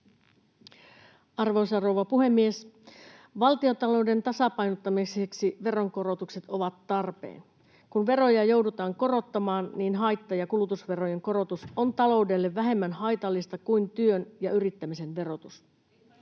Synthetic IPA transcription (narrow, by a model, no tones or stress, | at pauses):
ɑrʋousɑrowʋɑpuɦe̞mːies | ʋɑlt̪io̞t̪ɑlo̞ude̞nt̪ɑsɑpɑjnot̪ːɑmiseksiʋe̞ro̞ŋko̞ɾo̞t̪ukse̞t̪o̞ʋɑt̪ːɑrpḛːn | kunʋe̞ro̞jɑjo̞wdut̪ɑːŋko̞ɾo̞t̪ːɑmɑːnniːnɦɑjt̪ːɑjɑkulut̪usʋe̞ɾo̞je̞ŋko̞ɾo̞t̪usont̪ɑlo̞ude̞lːeʋːæɦe̞mːænhɑjt̪ɑlːist̪ɑkuint̪yønjɑyɾit̪ːæmise̞nʋe̞ro̞t̪us